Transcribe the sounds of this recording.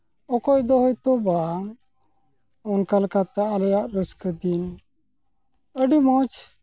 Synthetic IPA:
ɔkɔjd̪ɔɦɔjt̪ɔba | ɔnkalkat̪aʔːlɛjaʔɾəskəd̪in | əɖimɔt͡ʃ

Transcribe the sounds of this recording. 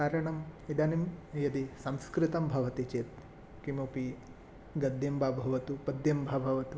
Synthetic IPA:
kaːɾɐɳɐmid̪ɐnimjɐd̪isɐmskɾɪt̪ɐmbʱɐʋɐt̪it͡ʃeːt̪̚ | kimopi | ɡɐd̪ʱjɐmbʱaːbʱɐʋɐt̪upɐd̪jɐmbʱaːbʱɐʋɐt̪u

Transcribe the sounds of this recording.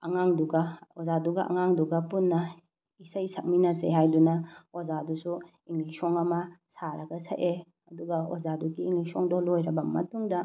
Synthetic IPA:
ɐŋaŋduɡɐozaduɡɐ̰ʔɐ̰ŋaŋduɡɐpunːɐ | isɐjsɐk̚minɐseɦajdunɐozadusu | iŋliksɔŋɐmɐsaɾɐɡɐsɐ̰ʔe | ɐduɡɐo̰zaduɡiːŋliksɔŋdolojɾɐbɐmɐ̰tuŋdɐ

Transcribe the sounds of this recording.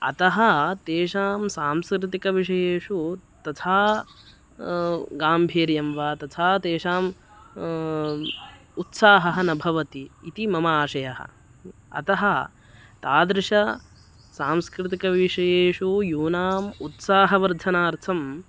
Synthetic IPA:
ɐ̰t̪ɐɦɐt̪eːʂaːmsaːmskɾɪt̪ikɐʋiʂɐjeːʂut̪ɐt̪ʰaː | ɡaːmbʱiːɾjɐmʋaːt̪ɐt̪ʰaːt̪eːʃaːm | ut̪saːɦɐɦɐnɐbʱɐʋɐt̪iːt̪imɐmɐːʂɐjɐɦɐ̰ | ɐ̰t̪ɐɦɐ | t̪aːd̪ɾɪʂɐ | saːmskɾɪt̪̬ikɐʋiʂɐjeːʂujuːnaːmut̪saːɦɐʋɐɾd̪ʱɐnaːɾt̪ʰɐm

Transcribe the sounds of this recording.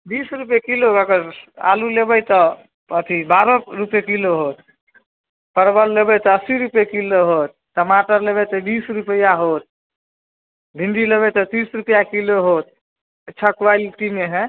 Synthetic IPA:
bisɾupjekilokakəɾa̰lulebɛjt̪ɔ | ət̪ʰibaɾɔɾupekiloɦot̪ | pəɾbəlːebɛt̪ɔəsiɾupjekiloɦot̪̚ʈəmaʈəɾlebɛt̪əbisɾupəjaɦot̪̚ | bʱinɖ̪ileβɛt̪ət̪isɾupjakiloɦot̪̚ | t͡ʃʰəkʋajlʈimeɦɛ̃

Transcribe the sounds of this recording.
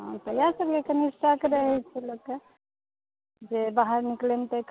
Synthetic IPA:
ɦãt̪ɔjasəbkekənisʈakeɾəɦɛt͡ʃʰɛloɡkːe | d͡ʒebaɦaɾniklemt̪ek

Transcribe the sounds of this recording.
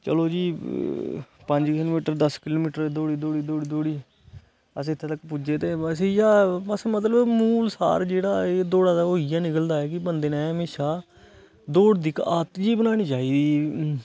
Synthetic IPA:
t͡ʃə̰loːd͡ʒiː | pə̃ɲd͡ʒkɪloːmiːʈəɾd̪əskɪloːmiːʈəɾd̪oːɽiːd̪oːɽiːd̪oːɽiːd̪oːɽiː | əsːt̪ʰːeːt̪əkːpud͡ʒeːt̪eːəs̬iːjaːbəsmət̪ləbmuːlsa̰ːɾd͡ʒeːɽaːeːd̪oːɽaːd̪aːoːɪjãːnɪkəld̪aːɛːkɪbənd̪eːnɛ̃ːəmeːʃaː | d̪oːɽd̪ɪkaːt̪d͡ʒiːbənaːñiːt͡ʃaːiːd̪iː

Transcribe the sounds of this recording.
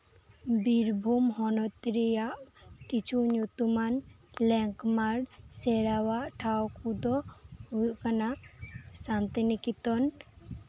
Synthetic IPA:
biɾbʱumhɔnɔt̪ɾijaʔkit͡ʃʰuɲut̪umanlɛŋkmaɽsɛɽawaʔʈʰawkud̪ɔhujʔkanaʔsant̪inikit̪ɔn

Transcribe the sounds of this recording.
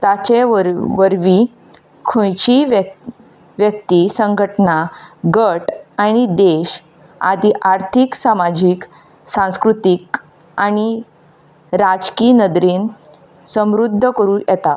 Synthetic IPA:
t̪at͡ɕeʋəɾʋi | kʰõjt͡ɕiʋ | ʋjək̚t̪isə̃ŋɡʱəʈnaɡəʈaɽ̃id̪eɕ | a̰d̪ʱiʔaɾt̪ʰiksamad͡ʑik | sãw̃skɾut̪ik | aɽ̃i | ɾad͡zkiːnəd̪ɾiːn | səmɾud̪ʱːəkəɾuːjɛt̪a

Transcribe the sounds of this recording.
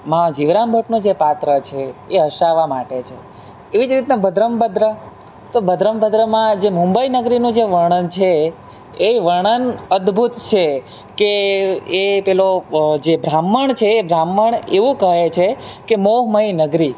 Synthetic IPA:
mãd͡ʒiʋɾambʱəʈnũd͡ʒepat̪ɾət͡ʃʰeːɦəʃaʋamaʈet͡ʃʰe | eʋid͡ʒɾit̪nabʱəd̪ɾəmbəd̪ɾə | t̪obʱəd̪ɾəmbəd̪ɾəmãd͡ʒemũmbəinəɡɾinũd͡ʒeʋəɳ̃ənt͡ʃʰeː | ʋəɳ̃ənəd̪bʱut̪t͡ʃʰe | keepɛlod͡ʒebɾamːəɳt͡ʃʰeːbʱɾamːəɳeʋũkəɦet͡ʃʰekemoɦməɦinəɡɾi

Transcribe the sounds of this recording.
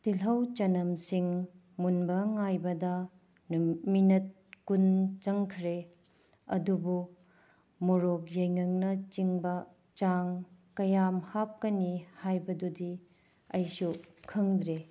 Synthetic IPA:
tilɦɐwt͡ʃɐnɐmsiŋ | munbɐŋajbɐdɐ | nminɐt̚kunt͡ʃɐŋkʰɾe | ɐ̰dubu | muɾok̚jɐjŋɐŋnɐt͡ʃiŋbɐ | t͡ʃaŋkɐjamhap̚kɐnihajbɐdudi | ɐjsukʰɐŋd̪ɾe

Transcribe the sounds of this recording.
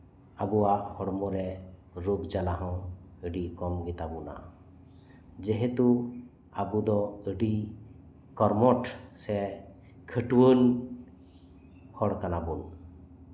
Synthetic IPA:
abuwaʔhɔɽmɔɾɛɾuɡd͡ʒalaɦɔ̃əɖikɔmɡit̪abuna̰ | d͡ʒɛɦɛt̪u | abud̪ɔəɖi | kɔɾmɔʈsɛ | kʰəʈwən | hɔɽkanabun

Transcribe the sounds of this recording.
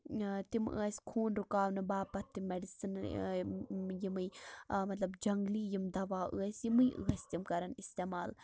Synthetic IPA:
t̪imɨ̰ːsʲkʰuːnɾukaːwnɨbaːpɐt̪ːimeɖisɨn | jimɨjmɐt̪lɐbd͡ʒɐŋɡliːjimd̪ɐʋaːʔɨ̰ːɐsʲjimɨjʔɨ̰ːɐsʲt̪imkɐɾɐnist̪eːmaːl

